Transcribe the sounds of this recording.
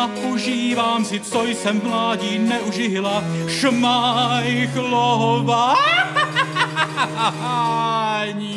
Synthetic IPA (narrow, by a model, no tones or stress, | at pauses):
apɔʒiːvaːmsɪt͡sojsɛmmlaːɟiːnɛʔuʒɪɦɪlaʃmajxloɦɔva | ɲ